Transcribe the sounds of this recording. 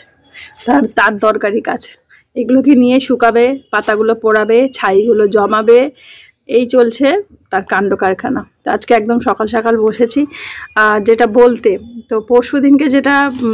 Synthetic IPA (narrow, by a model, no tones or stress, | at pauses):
t̪aɾt̪aɾd̪ɔɾkaɾikad͡ʑʰ | eɡulokinijeʃukabepat̪aɡulopɔɽabet͡ɕʰajɡulod͡ʑɔmabe | ejt͡ɕolt͡ɕʰe | t̪aɾkaɳɖokaɾkʰanat̪oad͡ʑkeɛk̚d̪omʃɔkalʃakalboʃet͡ɕʰiad͡ʑeʈabolt̪et̪opoɾʃod̪ʱinked͡ʑeʈa